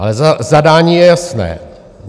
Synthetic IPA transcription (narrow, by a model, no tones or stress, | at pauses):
alɛzazadaːɲiːjɛjasnɛ̰ː